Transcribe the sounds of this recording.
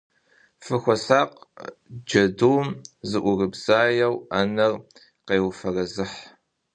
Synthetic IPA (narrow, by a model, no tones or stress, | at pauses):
fɨxʷɔsaːqd͡ʒɐduːmzɨʔʷʊrɨbz̥aːjɐwɐnɐr | qejwfɐrɐzɨħ